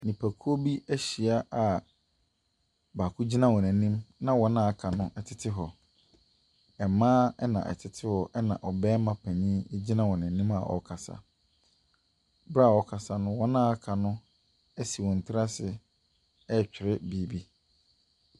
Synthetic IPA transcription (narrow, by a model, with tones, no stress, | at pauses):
nĩ˨pʰæ˨kʰu˦o˦bi˦æ˦ɕi˨a˦ʔa˨ | baː˨kʰʊ˦d͡ʑi˦nã˦wɔ˨nɛ̃˨˦nĩ˦mnã˦wɔ˦nã˦a˦kʰa˨nʊ̃˦ʔɛ˨tʰɪ˨tʰɪ˦ɦɔ˨ | ɛ˨mãː˦ɛ˦nã̰˨ʔɛ̰˨tʰɪ˨tʰɪ˦hɔ˨ʔɛ˦nã̰˨ʔɔ˨bɛː˦mã˦pʰæ˨ɲĩ˦d͡ʑi˦nã˦wɔ̃˨nɛ̃˨nĩ˦ma̰˨ʔɔ̰˨kʰa˨sa̰˨ | bɾa˦˨ɔ˨kʰa˨sa˨nʊ̃˦wɔ˦nãː˦a˦kʰa˨nʊ̃˦ | ɛ˦si˨wɔ̃˨n̩˨tʰɪ˦ɾa˦sɪ˨ | ɛ˦t͡ɕᶣɪ˨ɾɪ˦biː˦bi˦